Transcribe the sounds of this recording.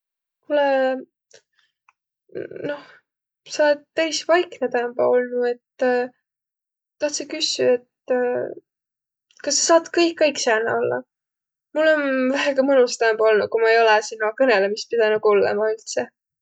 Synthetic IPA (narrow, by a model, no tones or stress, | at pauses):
mulɛ | no̞h | sɑled̪̚t̪æjsvɑjknet̪æmb̥ɑo̞lnue̞t̪ː | t̪ɑht̪sekysːˑyet̪ː | kɑsːɑsɑːd̪̥kɤjkːɤjksæːlnḛolːɑ̰ | mulːenvæɦeɡ̥ɑmɤnust̪æmb̥ɑo̞lnu̥kumɑejo̞lɛsinːɑkɤnelemis̚pid̪̥ænukulːḛmɑylt̪se